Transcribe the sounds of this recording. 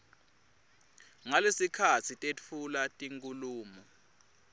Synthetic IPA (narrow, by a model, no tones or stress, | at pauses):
ŋalesikʰat͡sʰitʼet͡fʰulatʼiŋkʼuluːmɔ